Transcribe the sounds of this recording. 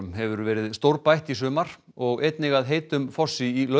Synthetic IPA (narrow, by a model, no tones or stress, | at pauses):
mɦɛvʏɾvɛːɾɪðst̪owɾpajht̪isʏːmaɾ̥ | ɔɣejt̪nɪɣaðɦeːjt̪ʏmfɔ̥sːɪilœ